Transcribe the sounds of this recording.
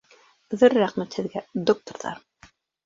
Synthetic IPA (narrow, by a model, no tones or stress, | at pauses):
ðɵɾːæχmæt̪hɘ̆ðɡæd̪ok̚t̪ŏɾðɑ̰ɾ